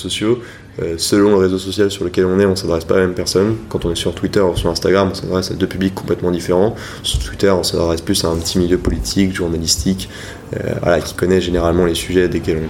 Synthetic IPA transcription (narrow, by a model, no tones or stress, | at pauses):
sɔsjo | øsəlɔ̃ləʁezosɔsjalsyʁləkʲɛlɔ̃nɛɔ̃sad̪ʁɛspalamɛmpɛʁsɔnkɑ̃t̪ɔ̃nɛsyʁt̪wit̪œʁusyʁɛ̃st̪aɡʁamɔ̃sa̰d̪ʁɛsad̪øpyblikːɔ̃plɛt̪mɑ̃d̪ifeʁɑ̃ | syʁt̪wit̪œʁɔ̃sad̪ʁɛsplysaɛ̃pət̪ʰimiljøpɔlit̪ʰikʒuʁnalist̪ʰik | ø̰vwa̰lakʲi̥kɔnɛʒeneʁalmɑ̃lesyʒɛd̪ekʲɛlɔ̃